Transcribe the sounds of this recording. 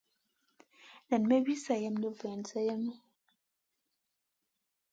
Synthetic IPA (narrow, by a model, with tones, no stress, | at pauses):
na˨n˨mɛ˦wi˦sa˨jɛ˦mlə˦˨vɛ˨nsa˦jɛ˦mu˦